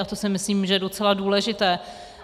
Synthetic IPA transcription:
at̪o̞sɪmɪsliːmʒɛjɛdo̞t͡sɛladuːlɛʒɪt̪ɛː

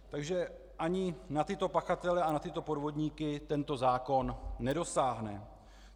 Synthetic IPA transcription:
t̪aɡʒɛ | ʔaɲɪnat̪ɪt̪o̞paxat̪ɛlɛanat̪ɪt̪o̞po̞dvo̞dɲiːkɪt̪ɛnt̪o̞zaːko̞nːɛdo̞saːɦnɛ

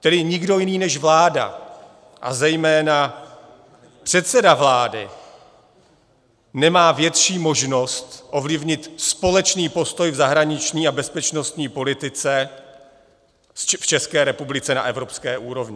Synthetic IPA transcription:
t̪ɛdɪɲɪɡdo̞jɪniːnɛʃvlaːda̰ | ʔa̰zɛjmɛːna | pr̥ɛt̪sɛdavlaːdɪ | nɛmaːvjɛt̪ʃiːmo̞ʒno̞st̪ʔo̞vlɪvɲɪt̪spo̞lɛt͡ʃniːpo̞st̪o̞jvzaɦɾaɲɪt͡ʃɲiːabɛspɛt͡ʃno̞st̪ɲiːpo̞lɪt̪ɪt͡sɛ | ft͡ʃɛskɛːɾɛpublɪt͡sɛna̰ʔɛvɾo̞pskɛːʔuːɾo̞vɲɪ

